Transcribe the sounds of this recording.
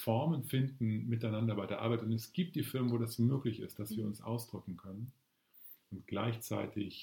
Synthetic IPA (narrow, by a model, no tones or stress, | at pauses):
fɔɐmənfɪndn̩mɪtaɪnandɐbaɪdeːɐʔaɐbaɪtʊntɛsɡ̥iːp̚td̥iːfɪɐmənvoːdasmøːklɪçɪ̰st̚d̥asv̥iːɐʊnsʔa̰ʊsd̥ʁʏkŋ̩kʰœnən | ʔʊntɡ̥la̰ɪçt͡sa̰ɪtʰɪç